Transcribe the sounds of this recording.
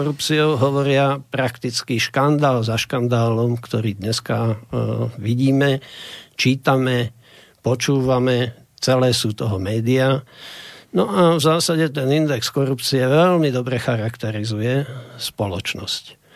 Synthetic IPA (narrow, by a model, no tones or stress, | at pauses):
ɔɾupt͡siɔʊɦɔʋɔɾɪapɾakt̪it͡skiʃkand̪aːlzaʃkand̪aːlɔmkt̪ɔɾiːd̪ɲɛska | ʋiɟiːmɛt͡ʃiːt̪amɛ | pɔt͡ʃuːʋamɛ | t͡sɛlɛːsuːt̪ɔɦɔmɛːd̪ia | nɔʔavzaːsaɟɛt̪ɛnind̪ɛkskɔɾupt͡siɛʋɛlmid̪ɔbɾɛxaɾakt̪ɛɾizujɛspɔlɔt͡ʃnɔ̰sc